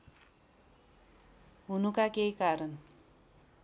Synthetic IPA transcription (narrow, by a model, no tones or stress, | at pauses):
ɦunukakejkaɾʌn